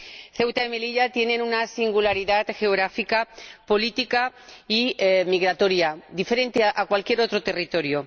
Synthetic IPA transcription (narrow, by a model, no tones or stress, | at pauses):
θe̞wt̪aeme̞liʎat̪je̞nẽ̞nunasiŋɡulaɾiðat̪xe̞o̞ɣ̞ɾafikapo̞lit̪ikaimiɣɾat̪o̞ɾjad̪ife̞ɾe̞nt̪eʔakwalkje̞ɾo̞t̪ɾo̞t̪e̞rit̪o̞ɾjo